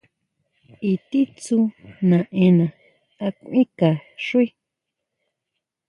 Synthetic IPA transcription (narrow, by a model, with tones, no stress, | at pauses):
i˧t̪i˦t͡su˧nã˨ʔẽ˧nã˨ | a˧kʷĩ˦ka˨ʂu˦i˦